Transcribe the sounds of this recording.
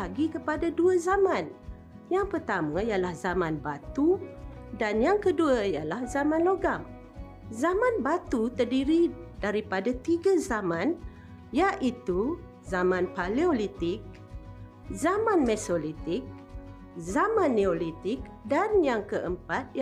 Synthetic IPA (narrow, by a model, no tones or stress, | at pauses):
laɡikəpadaduazamãn | jaŋpərt̪amãijalahzamãnbat̪u | danjaŋkəduaijalahzamãnloɡam | zamãnbat̪ut̪ərdiɾidaɾipadat̪iɡazamãn | jaʔit̪u | zamãnpaliolit̪ɪk̚ | zamãnmɛsolit̪ɪk̚ | zamãnːeolit̪ɪk̚danjaŋkəʔəmpat̪̚